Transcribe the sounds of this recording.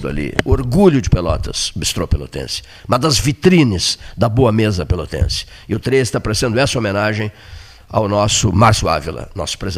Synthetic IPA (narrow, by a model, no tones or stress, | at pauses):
d̪ʊa̰lḭʊoɾɡuʎʊd͡ʒɪpelɔ̰t̪ɐ̰sobist̪ɾowpelo̰t̪ḛ̃sɪ̥ | mɐd̪ɐzvit̪ɾĩnɪz̥d̪ɐboɐmezɐpelot̪ḛ̃sɪ̥ | ɪʊt̪ɾezɪst̪apaɾesẽnd̪ʊɛsɐomẽnaʒẽj̃ | a̰wnɔsʊmaɾsjʊa̰vilɐ̰nɔ̰sʊ̥pɾez